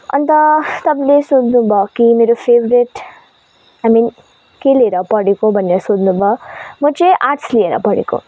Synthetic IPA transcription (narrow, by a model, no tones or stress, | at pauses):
ɐ̰nt̪at̪ɐblesuːd̪nubakimiːɾufeːʋɾiʈ | ajmiːn | keleɾapɐɽikobɐnːjasud̪nubamɐt͡ʃeʔaːʈslieɾa̰pɐɽḭko̰